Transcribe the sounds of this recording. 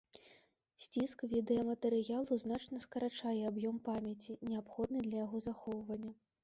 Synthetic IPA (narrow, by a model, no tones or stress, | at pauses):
sʲt͡sʲiskvʲid̪ɛɐmɐt̪ɛɾɨjalˠuznat͡ʂnɐskɐɾat͡ʂajɛabjɔmpamʲjɐt͡sʲinʲɛapxɔd̪̚nɨd̪lʲɐjaɣɔzaxɔwvɐnʲːɐ